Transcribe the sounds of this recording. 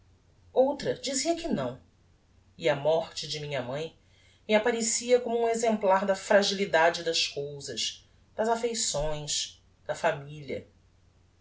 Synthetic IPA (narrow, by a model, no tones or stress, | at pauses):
owt̪ɾɐd͡ʒiziɐkɪnɐ̃w̃ | iɐmɔχt͡ʃɪd͡ʒɪmĩɲɐmɐ̃j̃ | miapaɾesiɐkõmʊũezẽmplaɾd̪ɐfɾaʒilid̪ad͡ʒɪd̪ɐʃkowzɐʃ | d̪ɐzafejsõj̃ʃ | d̪̥ɐfamilɐ̰